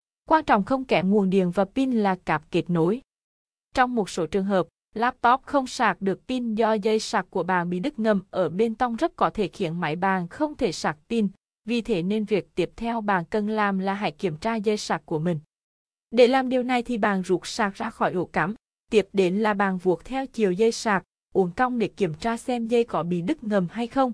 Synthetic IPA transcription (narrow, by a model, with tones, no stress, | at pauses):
kwaː˧nt͡ɕɔ̰˧˨wŋ͡mxə˧wŋ͡mkɛ˨˦˥ŋu˨˩ənɗḭ˧˨ənvaː˨˩pi˧nlaː˨˩kaː˨˩p̚ke˨˩t̚no˨˦j | t͡ɕɔ˧wŋ͡mmo˨˩t̚so˨˦t͡ɕɨ˨˩əŋɦəː˨˩p̚ | laː˦˥p̚t̪ɔ˦˥p̚xə˧wŋ͡msaː˨˩k̚ɗɨ˨˩ək̚p̪i˧nzɔ˧zə˧jsaː˨˩k̚ku˧˩əɓaː˨˩nɓḭ˧˨ɗɨ˦˥k̚ŋə˧˩mʔəː˧˩ɓe˧nt̪ə˧wŋ͡mzə˦˥t̚kɔ˨˦t̪ʰe˧˩xḭ˧˨ənma̰˧˦jɓaː˨˩nxə˧wŋ͡mt̪ʰe˧˩saː˨˩k̚t̪i˧n | vi˨˩t̪ʰe˨˦ne˧nvi˨˩ək̚t̪i˦˥əp̚t̪ʰɛ˧wɓaː˨˩nkə˨˩nlaː˨˩mlaː˨˩ɦa̰˧˦jki˧˩əmt͡ɕaː˧zə˧jsaː˨˩k̚kːu˧˩əmï˨˩ŋ̟ | ɗe˧˩˦laː˨˩mɗi˨˩əwna˨˩jt̪ʰi˨˩ɓaː˨˩nzu˨˩t̚saː˨˩k̚zaː˧xɔ˧˩jʔo̰˧˩ka˨˦m | t̪i˦˥əp̚ɗe˨˦nlaː˨˩ɓaː˨˩nvu˨˩ək̚t̪ʰɛ˧wt͡ɕi˨˩əwzə˧jsaː˨˩k̚ | ʔu˨˦ənka˧wŋ͡mɗe˧˩˦ki˧˩əmt͡ɕaː˧sɛ˧mzə˧jkɔ˨˦ɓḭ˧˨ɗɨ˦˥k̚ŋə˨˩mɦa˧jxə˧wŋ͡m